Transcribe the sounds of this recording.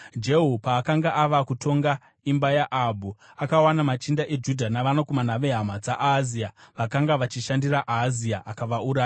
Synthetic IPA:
d͡ʒe̞ɦupaːkaŋɡaʔaʋakutʰo̞ŋɡa | imbajaʔabʱuakawanamat͡ʃindaʔe̞d͡ʒudʱanaʋanakumanaʋeɦamad͡zaʔaziaʋakaŋɡaʋat͡ʃiʃandiraʔaziaʔakaʋauɾaːja

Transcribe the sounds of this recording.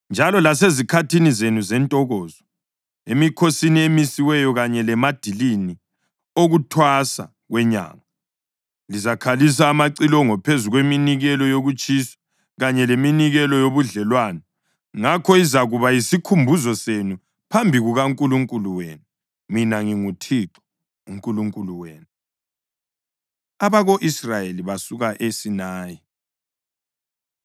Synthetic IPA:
nd͡ʒʱalɔlas̬ezikʰatʰinizenuzɛntʼɔɣɔːzɔ | emikʰosiniemisiwɛjɔɣaɲɛlɛmad̥ʱilini | oɣutʰwasa̰ | ɣwɛɲa̰ːŋa | lizakʰalis̬aːmaǀilɔŋɔpʰezuɣweminiɣɛlɔjoɣut͡ʃʼisɔ̥ | ɣaɲɛleminiɣɛlɔjoβuɮɛlwaːna | ŋakʰɔizaɣuβajisikʰumbʱuzɔsenu | pʰambʱiɣuɣaŋkʼuluŋkʼuluweːnu | minaŋiŋutʰiǁɔ̥ | uŋkʼuluŋkʼuluweːnu | aβaɣoʔisrajeliβasuɣaʔesinaːji

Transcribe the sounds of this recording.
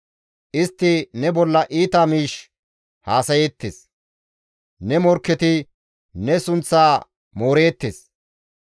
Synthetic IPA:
ʔɪst̪ːɪnɛbɔlːɐʔiːt̪amiːʃ | haːsɐjet̪ːḛs | nɛmɔɾkːɛt̪ɪ | nɛsʊnt͡sːaː | moːɾe̞ːt̪ːḛːs

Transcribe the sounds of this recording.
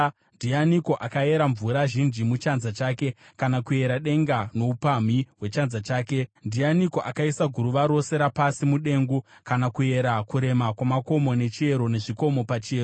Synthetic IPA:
ndianiko̞ʔakae̞ɾaɱvuɾaʒind͡ʒimut͡ʃanzat͡ʃaːke̞kanakue̞ɾaɗe̞ŋɡano̞upam̤iwe̞t͡ʃanzat͡ʃaːke̞ndianiko̞ʔakaisaɡʱuɾuʋaɾo̞se̞ɾapasimuɗe̞ŋɡukanakue̞ɾakuɾe̞makwamako̞mo̞ne̞t͡ʃie̞ɾo̞ne̞ʐiko̞mo̞pat͡ʃieːro

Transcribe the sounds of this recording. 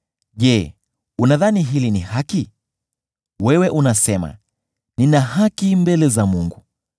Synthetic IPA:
ʄɛ | unaðaniɦilinihaki | wɛwɛʔunasɛma̰ | ninahakimbɛlɛzamuŋɡu

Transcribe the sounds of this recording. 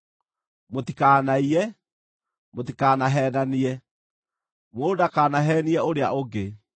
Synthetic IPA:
motikaːnaiɛ | motikaːnaɦɛːnaniɛ | moːdakaːnaɦɛːniɛoɾea̰ʔoɡe

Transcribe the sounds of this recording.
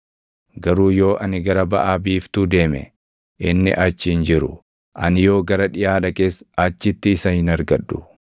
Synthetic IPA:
ɡɐɾuːjo̞ːʔɐnɪɡɐɾɐbɐʔaːbiːft̪ud̪e̞ːmɛ̰ | ʔɪnːɪ̰ʔɐt͡ʃːɪhɪnd͡ʒɪɾʊ̰ | ʔɐnjo̞ːɡɐɾɐᶑɪjaːᶑɐke̞ːsɐt͡ʃːɪt̪ːɪːsɐhɪnɐɾɡɐᶑːʊ

